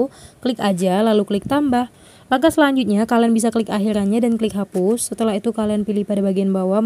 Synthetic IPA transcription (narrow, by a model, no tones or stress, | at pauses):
kəlɪkad͡ʒalalukəlɪk̚t̪ambah | lakasəlaɲd͡ʒut̪̚ɲakalianbis̬akəlɪkaɦiɾanɲadankəlɪk̚ɦapʊsːət̪əlaɦit̪ukalianpilɪhpadabaɡianbawa